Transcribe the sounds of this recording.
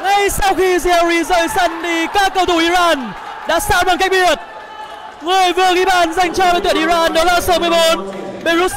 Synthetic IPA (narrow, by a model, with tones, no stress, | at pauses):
ŋa˧jsa˧wxi˧zi˧a˧ɾi˧zə̰ː˧˨jsə˧˩nɗ̪i˧˩kaː˧˦˥kkːə˧wt̪ʰu˧˩wʔi˧zaː˧n | ɗa̰ː˧˥sa̰ː˧˥ɓaː˧˩ŋka˦˥k̚ɓi˧˩wə˨˩t̚ | ŋɨ˨˩əjvɨ˨˩əɣi˧˩ɓaː˧˨˩nza˧jŋ̟t͡ɕɔː˧vt̪wi˧˩˨ʔi˧zaː˧nɗɔ˨˦laː˨˩səː˨˦mɨ˧əjɓo˨˦nɓe˧zu˦˥t̚